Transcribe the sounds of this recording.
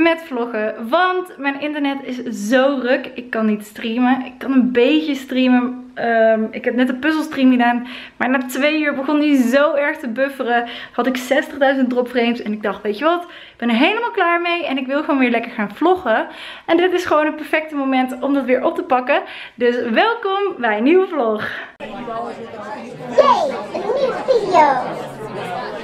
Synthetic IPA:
mɛtflɔχəʋɑntmɛjnɪntəɹnɛtɪszowrøkɪkːɑnːitstriməɪkːɑnənbejcəstrimə | mɪkɛp̚nɛtəpɵzəlˠstrimxədaːnmaːɹnaːtʋejyːɹbəχɔndizowɛɹχtəbøfərəhɑtɪksɛstəχdœɥzənt̚drɔpfrejmtsɛnɪɡ̚dɑχtʋejtəʋɑt | ɪɡb̥ɛnəɹɦejləmaːlˠklaːɹmejɛnɪkʋɪlˠχəʋoːnʋɪːɹlɛkəɹχaːnv̥lɔχə | ɛndɪtɪsχəʋownətpɛɹfɛk̚təmowmɛntɔmdɑtʋɪːɹʔɔp̚təpɑkə | døsʋɛlˠkɔmbɛjənywəvlɔχ | jejniwəfidio

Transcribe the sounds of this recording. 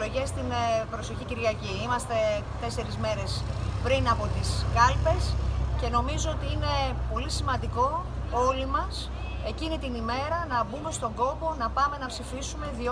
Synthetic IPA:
loʝest̪inpɾo̞so̞çiciɾʝɐciimɐst̪e̞t̪e̞se̞ɾizme̞ɾe̞spɾinɐpo̞t̪iskɐlpe̞sce̞no̞mizo̞ot̪iine̞po̞lisimɐnd̪iko̞o̞limɐs | e̞cinit̪inime̞ɾɐnɐbume̞st̪o̞ŋɡo̞po̞nɐpɐme̞nɐpsifisume̞ði

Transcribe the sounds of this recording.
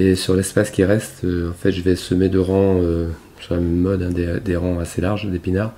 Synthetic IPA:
esyʁlɛspaskʲiʁɛst̪øɑ̃fɛt̪ʒəvɛsəmed̪əʁɑ̃ø | syʁlamɔd̪ɛ̃d̪ed̪eʁɑ̃aselaʁʒd̪epinaʁ

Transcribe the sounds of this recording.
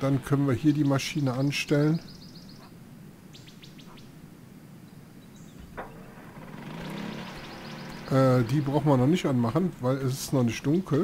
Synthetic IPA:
d̥ankʰœnənviːɐhiːɐdiːmaʃiːnəʔanʃtɛlən | ʔɛːdiːbʁaʊxn̩viɐnɔχnɪçtʔanmaχənvaɪlɛs̬ɪ̥stnɔχnɪçt̚d̥ʊŋkʰl̩

